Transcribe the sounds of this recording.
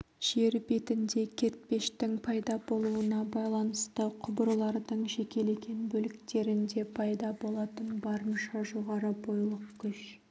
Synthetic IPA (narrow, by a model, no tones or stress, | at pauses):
ʒ̥e̞ɾbe̞t̪ɪnd̪e̞kʲʰe̞ɾt̪̚pe̞ʃt̪ɪŋpʰɑjd̪ɑbo̞lˠuənɑbɑjlˠɑnəst̪əqʰʊbəɾlˠɑɾd̪əɴʒe̞kʲe̞le̞kʲe̞nbɵlɪkt̪e̞ɾɪnd̪e̞pʰɑjd̪ɑbo̞lˠɑt̪ənbɑɾənʃɑʒo̞ʁɑɾəbo̞jlˠəqkʲʰʏʃ